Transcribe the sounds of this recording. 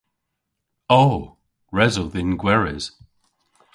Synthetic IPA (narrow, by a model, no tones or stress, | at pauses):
oː | ɹɛzəðɪnɡwɛɹɪz̥